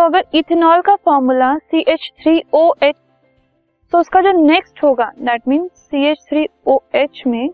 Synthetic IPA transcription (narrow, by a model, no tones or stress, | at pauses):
t̪oɐɡəɾɪt̪ʰnɔːlkafɔːɾmulasiːʔeːt͡ʃt̪ʰɾiːoːeːt͡ʃ | t̪oʊskad͡ʒoːneːksʈɦoːɡad̪ɛʈ̚mĩːnzsiːeːt͡ʃt̪ʰɾiːoːeːt͡ʃmẽ